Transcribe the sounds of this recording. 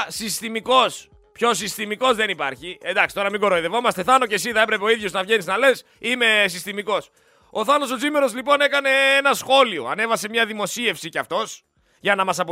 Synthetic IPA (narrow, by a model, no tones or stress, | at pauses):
sist̪imiko̞s | pço̞s̬ist̪imiko̞zðe̞nipɐɾçiend̪ɐksit̪o̞ɾɐmiɡo̞ɾoiðe̞vo̞mɐst̪e̞θɐno̞ce̞siθɐepɾe̞peo̞iðʝo̞znɐvʝe̞niznɐle̞s | ime̞sist̪imiko̞s | oθɐno̞sod͡zimeɾo̞zlipo̞ne̞kɐne̞enɐsxo̞lio̞̰ɐ̰ne̞vɐse̞mɲɐðimo̞sie̞fsiceɐft̪o̞s | ʝɐnɐmɐsɐpo